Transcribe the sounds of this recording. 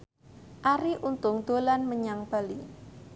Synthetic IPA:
ʔaɾiʔunt̪ʊŋd̪̥olanməɲaŋb̥ali

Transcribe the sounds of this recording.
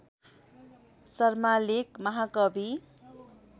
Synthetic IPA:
sʌrmalekmʌɦakʌbi

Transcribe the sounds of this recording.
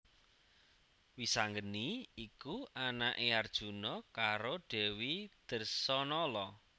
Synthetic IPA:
wisaŋɡəniikuanaʔeard̥ʒ̥ṳnɔkaɾoɖ̥ɛ̤wid̪̥ə̤rsɔnɔlɔ

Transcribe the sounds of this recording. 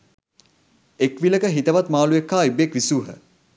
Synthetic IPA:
ekʋiləkəɦit̪əʋat̪maːluekːaːibekʋisuːɦə

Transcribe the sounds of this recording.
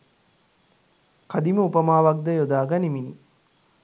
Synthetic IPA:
kad̪iməupəmaːʋak̚d̪əjod̪aːɡanimini

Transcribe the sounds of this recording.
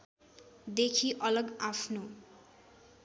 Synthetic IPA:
d̪ekʰiʔʌlʌɡapʰno

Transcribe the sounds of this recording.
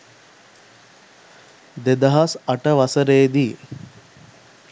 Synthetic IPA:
d̪ed̪əɦasɐʈəʋasəɾeːd̪i

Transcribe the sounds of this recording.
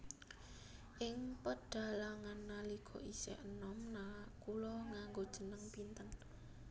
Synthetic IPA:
ʔɪŋpəɖ̥a̤laŋanːaliɡ̥ʰɔ̤̰ʔisɛ̰ʔənɔmnakulɔŋaŋɡod̥ʒ̥ə̤nəŋpint̪ən

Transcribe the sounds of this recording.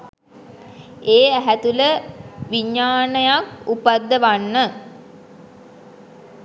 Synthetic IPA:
eːæɦæt̪uləʋiɲːaːnəjakupad̪ːəʋanːə

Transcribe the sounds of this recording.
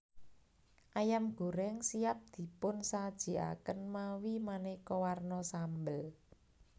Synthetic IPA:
ʔajamɡ̥o̤ɾɛŋsiap̚d̪̥i̤pʊnsad̥ʒ̥i̤a̰kənmawimanekɔwarnɔsambəl

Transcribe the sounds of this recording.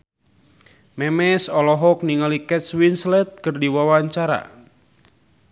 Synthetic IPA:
mɛmɛsɔlɔɦɔk̚niŋalikɛt̪swinslɛt̪̚kɨrdiwawaɲt͡ʃaɾa̰

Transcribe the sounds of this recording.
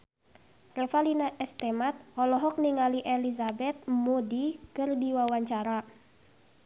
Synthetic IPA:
rɛfalinaʔɛst̪ɛmat̪̚hɔlɔɦɔk̚niŋaliʔelizabɛt̪̚modikɨrdiwawaɲt͡ʃaɾa

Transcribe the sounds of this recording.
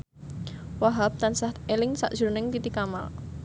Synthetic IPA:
waɦap̚t̪ansaht̪elɪŋsa̰ʔdʒ̥ṳɾnɪŋt̪it̪ikama̰l

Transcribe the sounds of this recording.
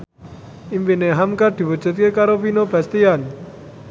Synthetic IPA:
impineɦamkard̪̥i̤wu̥d͡ʒ̥ṳt̪̚kekaɾopinobast̪ian

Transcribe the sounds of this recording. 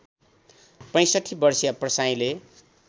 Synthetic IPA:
pʌ̃j̃sʌʈʰːibʌrsijaprʌsaj̃le

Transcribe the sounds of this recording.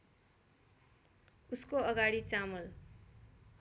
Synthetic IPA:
uskoʌɡaɽit͡samʌl

